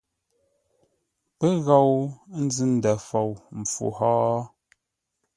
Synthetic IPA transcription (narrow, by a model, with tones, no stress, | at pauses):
pə˦ɣa˦˨wn̩˦zɨ˦n̩˨dɛ˨fɔ˨wm̩˨fṵ˨hɔː˦